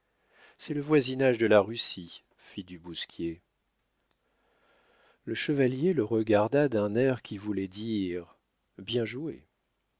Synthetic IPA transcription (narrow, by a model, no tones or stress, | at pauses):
sɛləvwazinaʒd̪əlaʁysi | fid̪ybuskʲʰje | ləʃəvaljeləʁəɡaʁd̪ad̪ɛ̃nɛʁkʲivulɛd̪iʁ | bjɛ̃ʒue